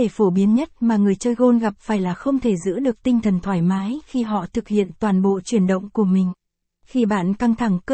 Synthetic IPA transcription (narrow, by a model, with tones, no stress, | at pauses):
e˧˩fo˧˩ɓi˨˦ənɲə˦˥t̚maː˨˩ŋɨ˨˩əjt͡ɕəː˧jɣo˧nɣa˨˩p̚faː˧˩jlaː˨˩xə˧wŋ͡mt̪ʰe˧˩zɨ̰˧˥ɗɨ˨˩ək̚t̪ï˧ŋ̟t̪ʰə˨˩nt̪ʰwaː˧˩jmaː˨˦jxi˧ɦɔ̰˧˨t̪ʰɨ˨˩k̚hḭ˧˨ənt̪waː˨˩nɓo̰˧˨t͡ɕwi˧˩ənɗə̰˧˨wŋ͡mku˧˩əmï˨˩ŋ̟ | xi˧ɓaː˧˩nka˧ŋt̪ʰa˧˩ŋkə˧